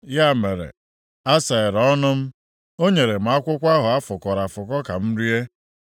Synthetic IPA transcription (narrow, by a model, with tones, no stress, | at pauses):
ja˦˨me˨ɾḛ˨ | a˦sa˨ɪ˨ɾɔ˦nʊ˦m̩˦ | o˦ɲe˨ɾe˨m̩˨a˦kʷʊ˦kʷa˦ɦʊ˨a˦fʊ˨kɔ˨ɾa˨fʊ˨kɔ˦ka˨m̩˦ɾi˦e˦